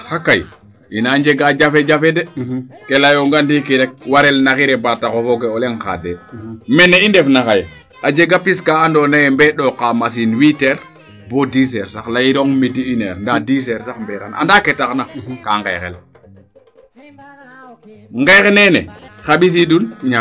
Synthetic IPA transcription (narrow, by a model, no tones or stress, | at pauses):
xakaj | inaɲd͡ʒeɡad͡ʒafed͡ʒafɛdɛkelajoŋɡandikiɾɛk̚waɾɛlnaxiɾɛbatakofoɡeɔleŋxa̰demɛneindɛfnaxaje | ad͡ʒeɡapiskaːndɔnajɛmbɛɗɔkamasinwiteɾ | bodisɛɾsaxlaiɾɔŋmidiineɾndadiːsɛɾsaxmbɛka̰na̰ndaketaxnakaŋɡḛjxɛ̰l | ŋɡajxenɛnɛ̰xaɓis̬idun